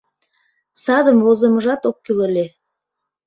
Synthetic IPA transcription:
sɑd̪ə̆mwozə̆mɤ̆ʒɑt̪okʲːilˠŏlʲe

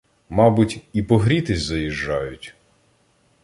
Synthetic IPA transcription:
mɑbʊtʲipɔɦɾʲit̪ɪsʲzɐjiʒːɑjʊtʲ

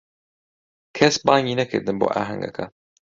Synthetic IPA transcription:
kʰɛsbɑːŋɡiːnɐkʰɨ̰ɾd̪ɨnbo̰ːʔaːɦɐ̰ŋɡɐ̰kʰɐ

